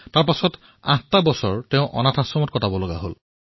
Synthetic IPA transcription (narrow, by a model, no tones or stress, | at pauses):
taɹpasɔt | ã̰tabɔsɔɹteʊ̃ʔɔ̰natʰãsɔmɔt̚kɔtabɔloɡa̰ɦol